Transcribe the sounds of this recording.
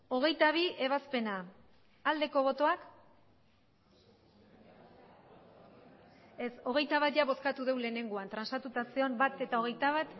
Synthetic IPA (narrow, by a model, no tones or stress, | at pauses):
o̞ɣ̞e̞jt̪aβ̞ie̞β̞aspe̞na | ald̪e̞ko̞β̞o̞t̪o̞ak | e̞so̞ɣ̞e̞jt̪aβat̪ʝaβo̞skat̪uðe̞wle̞ːne̞ŋɡoant̪ɾansat̪ut̪asio̞mbat̪e̞t̪ao̞ɣ̞e̞jt̪aβat̪